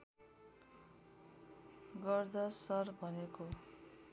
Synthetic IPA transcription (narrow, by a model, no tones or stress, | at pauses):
ɡʌrd̪ʌsʌrbʱʌneko